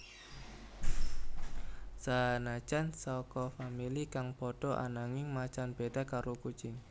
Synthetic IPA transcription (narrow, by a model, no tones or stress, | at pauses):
sanat͡ʃansɔkɔfamilikaŋpɔɖ̥ɔʔa̰naŋɪŋmat͡ʃanb̥eɖ̥a̤kaɾoku̥t͡ʃɪŋ